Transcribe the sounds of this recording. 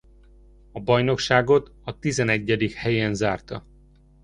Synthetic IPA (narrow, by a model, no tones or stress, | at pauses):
ɒbɒjno̞kʃaːɡo̞t̪ɒt̪izɛnɛɟːɛd̪ikhɛjenzaːrt̪ɒ̰